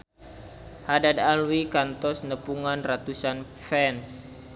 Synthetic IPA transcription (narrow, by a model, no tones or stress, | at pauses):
hadadalwikant̪ɔsnəpuŋanrat̪usan | fɛns